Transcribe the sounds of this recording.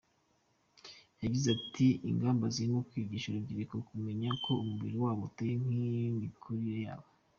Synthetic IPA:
jaɟizatʰiʔḭŋɡaːmbaziɾimokwiːɟiːʃuɾobɟiɾekokume̞ɲakʰo̞umuβḭɾowaːβotajeŋ̥himikʰuɾiɾeja̰ːβo

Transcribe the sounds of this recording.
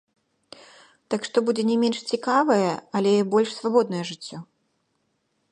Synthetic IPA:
t̪akʂt̪ɔbud͡zʲɛnʲɛmʲenʂt͡sʲikavɐjɐɐlʲɛjjɛbɔlʲʂsvabɔd̪nɐjɐʐɨt͡sʲːɔ

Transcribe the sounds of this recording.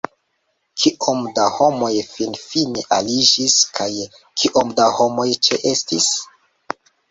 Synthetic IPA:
kʰiʔomdaho̞mo̞jfinfineʔalid͡ʒiskʰaj | kʰiʔomdaho̞mo̞jt͡ʃe̞ʔe̞stis

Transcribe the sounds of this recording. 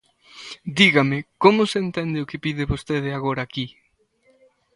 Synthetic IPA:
d̪iɣɐmɪkomʊsent̪ɛnd̪ɪʊkɪpiðɪβost̪eð̞ɪaɣ̞oɾaːki

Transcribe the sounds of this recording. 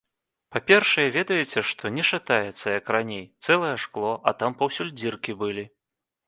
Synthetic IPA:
papʲɛrʂɨjɛvʲɛd̪ɐjɛt͡sʲɛʂt̪ʰɔnʲɛʂɨt̪ajɛt̪sːɐjɐkranʲejt̪sɛlˠɐjɛʂklˠɔʔɐt̪ampɐwsʲulʲd͡zʲirkʲibɨlʲi

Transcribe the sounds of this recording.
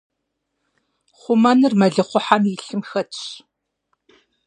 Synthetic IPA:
χʷʊmaːnɨrmɐɮɨqʷʊħamjɪɬɨmxɐtʰɕ

